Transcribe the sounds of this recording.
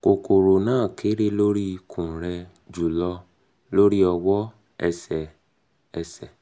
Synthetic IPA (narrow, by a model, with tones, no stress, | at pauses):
ko˨ko˨ɾo˨nãː˦˨kʰe˨˦ɾe˦lo˦ɾi˦˧kʰũ˨ɾɛ˧ | d͡ʒu˨lɔ˧ | lo˦ɾi˦ɔ˧wɔ˦ | ɛ˧sɛ˨ | ɛ˧sɛ˨